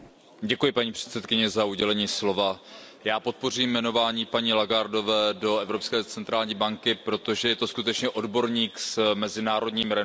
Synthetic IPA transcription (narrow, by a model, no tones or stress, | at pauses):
ɟɛkujɪpaɲiːpr̝̥ɛ̥t̪sɛt̪kɪɲɛzauɟɛlɛɲiːslo̞va | jaːpo̞t̪̚po̞riːmːɛno̞vaːɲiːpaɲiːlaɡaɾdo̞vɛːdo̞ɛvɾo̞pskɛːt͡sɛnt̪ɾaːlɲiːbaŋkɪpɾo̞t̪o̞ʒɛjɛt̪o̞skut̪ɛt͡ʃɲɛʔo̞dbo̞ɾɲiːksmɛzɪnaːɾo̞dɲiːmɾɛ